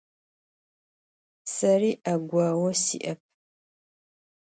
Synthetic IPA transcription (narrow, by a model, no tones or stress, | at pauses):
sɐriːaɡʷaːwɐsḭʔɐp̚